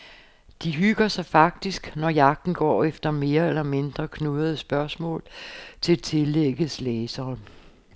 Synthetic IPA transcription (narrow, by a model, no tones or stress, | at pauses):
d̥iɦyɡ̥ɐsɑ̈ɪfɑ̈ɡ̥̚d̥isɡ̥nɒjɑ̈ɡ̥̚d̥n̩ɡ̥ɒ̰ːefd̥ɐme̝ːɐelɐme̝nd̥ʁɐkʰnuðˠɐðˠəsb̥ɶɐsmɔ̰̽ːlt͡sʰe̝t͡sʰe̝leɡ̥əðslɛːsɐːn